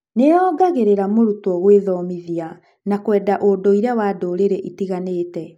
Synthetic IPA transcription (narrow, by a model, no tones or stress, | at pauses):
neɾɔːɡaɣeɾeɾamoɾutɔɣweðɔmiðia | nakwɛːdaʔodoiɾawadoːɾeɾeʔitiɣanetɛ